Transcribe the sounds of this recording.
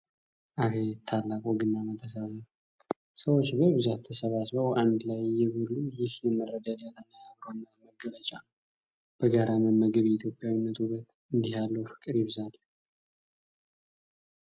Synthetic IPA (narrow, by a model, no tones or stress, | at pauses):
ʔahet̪ʰalːakʼoɡɨnːamət̪ʰəs̬azən | səwot͡ʃːbəβɨzat̪t̪ʰːəsəβasβəwʔand̪ɨlajːɛβɨlːujɪhjɛməɾəd̪ad̪at̪ʰənːəjaβɾənːəməɡələt͡ʃʼa | b̥əɡəɾaməmːəɡɨβjɛit̪ʰjo̞pʼjawinːət̪ʰuβət̪ | ɨnd̪iɦalːəwfɨ̥kʼɨɾjɪβzan